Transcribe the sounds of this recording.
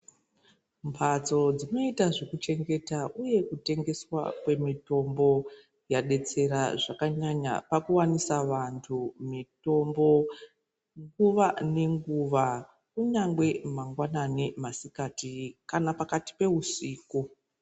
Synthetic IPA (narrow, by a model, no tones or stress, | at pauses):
mpʰat͡so̞d͡zino̞itaʐe̞kut͡ʃe̞ŋɡe̞taʔuje̞kute̞ŋɡe̞swa̰kwe̞mito̞mbo̞ | jaɗe̞t͡se̞ɾaʐakaɲaɲa̰pakuwanisaʋantʰumitombo̞ | ŋɡuʋane̞ŋɡuʋa | kuɲaŋɡwe̞maŋɡwananemasikatikanapakati̥pe̞usiːku